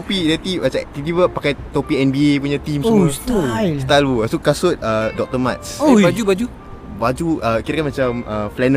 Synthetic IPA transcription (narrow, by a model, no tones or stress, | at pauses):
opidɛt̪iat͡ʃa̰t̪it̪ivəpakajt̪opiɛnbiep̬uɲat̪imsoust̪ast̪aluasukasʊt̪̚ədɔk̚t̪əmat̪̚sobad͡ʒubad͡ʒu | bad͡ʒuʔəkiɾakanmat͡ʃaməflɛnə